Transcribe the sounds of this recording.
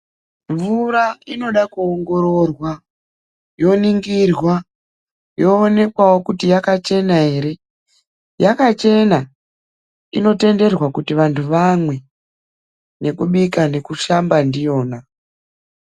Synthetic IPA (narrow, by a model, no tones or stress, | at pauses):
ɱvuɾaino̞ɗakuoŋɡo̞ɾo̞rwa | jo̞niŋɡirwa | joːne̞kwawo̞kutijakat͡ʃe̞naeɾe | jakat͡ʃe̞na | ino̞te̞nde̞rwakutiʋantʰuʋamwe̞ | ne̞kuɓikane̞kuʃambandijo̞ːna